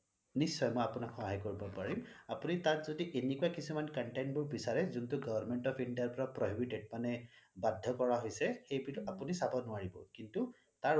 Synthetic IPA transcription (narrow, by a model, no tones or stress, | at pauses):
nisːɔjmɔjapʊnakxɔɦajkoɹibɔpaɹimapunitatzodiʔenikuakisumankɔnʈajnbʊɹbisaɹɛzuntʊɡɔbaɹmɛntɔpʰindiaɹpɔɹapɹɔɦibiʈeɖ̚panɛbadʱːɔkɔɹaɦojsɛxejbiapunisabɔnʊaɹibɔ̰kintu | taɹ